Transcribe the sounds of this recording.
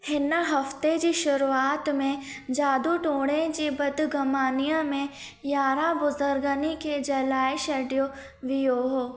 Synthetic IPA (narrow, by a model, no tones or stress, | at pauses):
hɪnaɦɐft̪ed͡ʒiʃʊɾuaːt̪mẽd͡ʒaːd̪uʈõːɽẽd͡ʒibɐd̪ɡʱɐmaːnijãmẽ | jaːɾabʊzəɾɡəniked͡ʒɐlaːeʃɐɖijo | ʋɪjoːɦo